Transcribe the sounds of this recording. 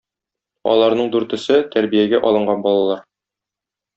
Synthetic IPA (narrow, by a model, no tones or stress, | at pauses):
ɒ̰lˠɑɾnɤɴd̪ʉɾt̪ɵ̆sɘt̪æɾbijæɡæʔɒlˠɤ̆ɴɢɑnbɒlˠɑlˠɑɾ